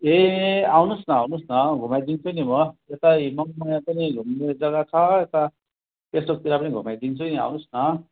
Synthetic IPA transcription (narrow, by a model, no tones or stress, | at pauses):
eawnusnʌawnusnʌɡʱumajd̪int͡sʰujnimʌet̪ajmʌŋmajãpʌniɡʱumned͡zʌɡat͡sʰʌet̪a | pesok̚t̪iɾapʌniɡʱumajd̪int͡sʰʌjnia̰wnusnʌ